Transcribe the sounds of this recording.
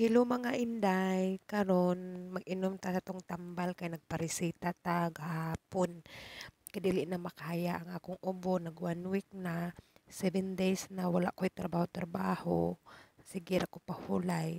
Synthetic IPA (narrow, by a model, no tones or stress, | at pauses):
hilʊmaŋaʔɪnd̪ajkaɾonmaɡʔɪnʊmt̪asat̪oŋt̪ambalkajnɐɡ̚paɾɪsiːt̪at̪aɡahhaːpon | kajd̪iːlɪʔnamakaːjaʔaŋaːkʊŋʔʊbonaɡwanwik̚nasɛvɛnd̪ejsnawala̰ʔkojt̪ɾabaːhʊt̪ɾabaːhosɪɡɪɾakopahulaj